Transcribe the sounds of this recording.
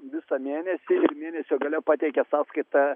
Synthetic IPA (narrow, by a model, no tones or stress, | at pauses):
ʋʲɪsɐmʲeːnʲɛsʲɪɪɾmʲeːnʲɛsʲoːɡɐlʲɛpɑːt̪ʲɛɪkʲɛsɑːskɐɪt̪ɑ